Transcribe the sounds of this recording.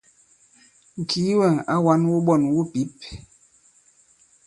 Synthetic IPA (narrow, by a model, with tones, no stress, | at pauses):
ŋ̩˨kʰi˨˦wɛ˦˨ŋa˦wa˦nwu˦ɓɔ˦˨nwu˦pi˨˦p̚